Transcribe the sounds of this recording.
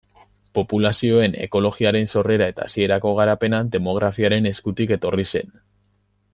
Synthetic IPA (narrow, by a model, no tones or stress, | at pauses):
po̞pulasio̞e̞ne̞̰ko̞lo̞ɣiaɾe̞nso̞re̞ɾae̞t̪aːsie̞ɾako̞ɣ̞aɾape̞nand̪e̞mo̞ɣ̞ɾafiaɾe̞ne̞skut̪ike̞t̪o̞rise̞n